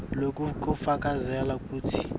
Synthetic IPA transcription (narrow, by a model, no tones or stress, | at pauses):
lok̬ukufak̬ʼazɛlakuːtʰi